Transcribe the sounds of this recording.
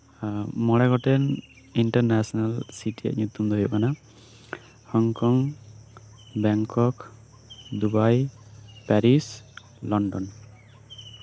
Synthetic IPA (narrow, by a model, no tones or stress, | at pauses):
mɔɽɛɡɔʈɛn | iɳʈaɾnɛsɔnalsiʈija̰ʔɲut̪umd̪ɔɦjɔʔkana | hɔŋkɔŋ | bɛŋkɔk | d̪ubajpɛɾis | lɔɳɖɔn